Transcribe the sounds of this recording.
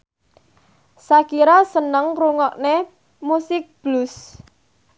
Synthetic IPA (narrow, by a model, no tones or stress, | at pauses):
sakiɾasənəŋruŋɔʔne | musɪk̚b̥lus